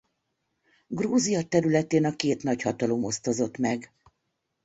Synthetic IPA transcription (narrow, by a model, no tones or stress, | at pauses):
ɡroːzijɒt̪ɛɾylɛt̪eːnɒkeːt̪nɒchɒt̪ɒlo̞mo̞st̪o̞zo̞t̪mɛɡ